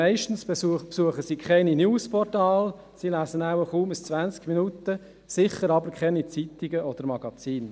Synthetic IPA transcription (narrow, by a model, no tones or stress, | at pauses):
ɛɪʃtn̩spsuəχəsiːkʰχɛɪninjuːspʰɔrtɑːl | silæːsənæwəχuːməst͡svʋænt͡skminut̪ə | sɪχəɾɑbəɾkχɛnit͡sit̪iɡəʔɔd̪əɾmɑɡ̥ɑt͡siːn